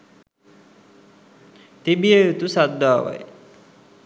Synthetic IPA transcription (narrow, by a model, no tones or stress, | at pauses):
t̪ibijejut̪usad̪aːʋa̰j